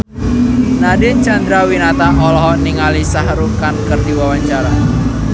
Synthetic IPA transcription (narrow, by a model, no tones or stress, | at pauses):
nadɪnt͡ʃand̪ɾawinat̪aʔɔlɔɦɔniŋalisaɦɾukankərdiwawaɲt͡ʃaɾa